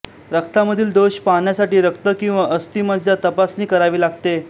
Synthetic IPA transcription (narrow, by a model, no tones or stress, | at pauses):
ɾəkt̪aməd̪ʱiːld̪oɕpaɳjasaʈiːɾəkt̪əkĩw̃ʋaʔəst̪iːmʋəd͡ʑd͡ʑat̪əpasniːkəɾaʋiːlaɡ̚t̪e